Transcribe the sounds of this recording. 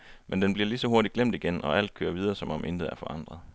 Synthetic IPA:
mend̥enb̥liɐlisɒ̽ɦoɐɾidɡ̥lem̰d̥iɡ̥enɒ̽ʔæl̰d̥̚kʰø̰ːɐʋið̞ˠɐːsɒ̽mɒ̽mʔe̝nd̥ð̩ˠæɐfɒ̽ʔɑ̈n̰d̥ʁɐðˠ

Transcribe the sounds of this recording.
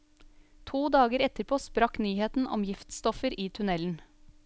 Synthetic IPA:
t̪ʰuːd̪ɑːɡəɾɛt̪əɾpʰoːspɾɑknyːheːt̪n̩ʔɔ̰mjɪft̪st̪ɔfəɾʔiːt̪ʰʉnɛln̩

